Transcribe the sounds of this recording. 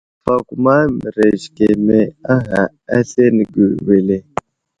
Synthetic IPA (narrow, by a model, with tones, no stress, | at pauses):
fa˨ku˨ma˦mi˨ɾe˨ʒke˨me˨a˦ɦa˨ | a˦se˦ni˨ɡə˨we˨le˨